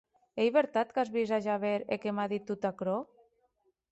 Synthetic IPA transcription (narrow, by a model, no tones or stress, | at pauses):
ejβeɾt̪at̪kazβizaʒaβeɾekemaðit̪ːut̪akɾo